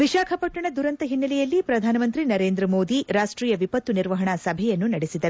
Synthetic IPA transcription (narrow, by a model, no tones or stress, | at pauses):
ʋiʃaːkʰɐpɐʈːɐɳɐd̪uɾɐnt̪ɐɦinːɐlɛjɐlːipɾɐd̪ʱaːnɐmɐnt̪ɾinɐɾeːnd̪ɾɐmoːd̪iɾaːʂʈɾiːjɐʋipɐt̪ːuniɾʋɐɦɐɳɐsɐbʱɛjɐnːunɐɽesid̪ɐɾu